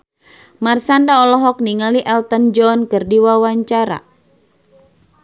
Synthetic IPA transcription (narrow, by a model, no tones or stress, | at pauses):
marsandaɔlɔɦɔk̚niŋaliʔɛlt̪ənd͡ʒɔnkɨrdiwawaɲt͡ʃaɾa̰